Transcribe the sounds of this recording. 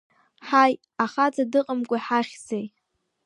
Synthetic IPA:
ħaj | aχat͡sʼadɨqʼəmkʷʼaħaχʲzej

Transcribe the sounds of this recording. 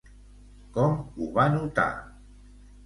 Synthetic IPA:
kɔmuβanut̪a̰

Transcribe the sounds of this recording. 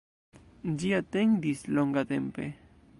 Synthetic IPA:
nd͡ʒiat̪eŋd̪isloŋɡat̪empḛ

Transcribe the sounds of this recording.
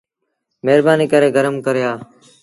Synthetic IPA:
meːɾbaːniːkəɾeːɡəɾəmkəɾjaː

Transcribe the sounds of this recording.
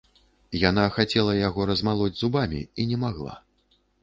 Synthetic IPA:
jan̪axat͡sʲɛlˠɐjaɣɔɾɐzmalˠɔd͡zʲzubamʲḭinʲɛmaɣlˠa̰

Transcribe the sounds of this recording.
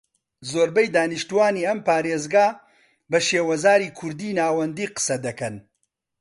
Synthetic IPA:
zoːɾbɐjd̪aːniʃt̪uwaːniːɐmpaːɾeːzɡaː | bɐʃeːwɐzaːɾiːkʰʊɾd̪iːnaːwɐnd̪iːqɨ̥sɐd̪ɐkɐn

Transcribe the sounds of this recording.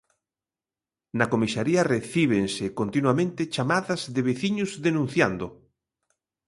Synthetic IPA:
nɐkomisaɾiɐreθiβ̞ensɪkont̪inwamẽnt̪ɪt͡ʃamaðɐzðeβeθiɲʊzðenũn̟θja̰nd̪ʊ

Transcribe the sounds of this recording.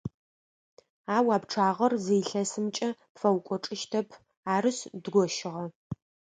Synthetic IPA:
aːwaːpʈ͡ʂʰaːʁɐrzejɬɐsɨmt͡ʃʼɐpfɐwkʷʼɔʈ͡ʂʼɪʃtʰɐpʰ | aːɾɨsdɡʷɔʃɪʁɐ

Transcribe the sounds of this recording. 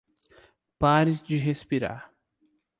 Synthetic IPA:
paɾɪd͡ʒɪɦespiɾa̰ɾ

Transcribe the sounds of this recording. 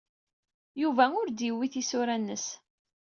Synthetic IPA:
juvæʊɾd̪iwːiθisʊɾænːəs

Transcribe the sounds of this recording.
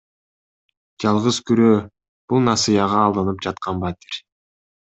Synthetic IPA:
d͡ʒɑlˠʁɯzkyɾøː | b̥ulˠnɑsɨjɑʁɑːlˠd̪ɯnɯp̚d͡ʒɑt̪̚qɑnbat̪ʲiɾ

